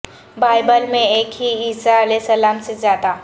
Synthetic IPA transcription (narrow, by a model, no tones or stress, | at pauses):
baːɪbəlmẽeːkɦiiːsaɐlɛsəlaːmsezaːd̪a